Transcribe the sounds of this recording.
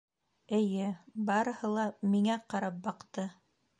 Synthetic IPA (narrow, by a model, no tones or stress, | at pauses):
ɘ̆jɘbɑɾɤ̆hɤ̆lˠɑmiŋæqɑɾɑp̚bɑqt̪ɤ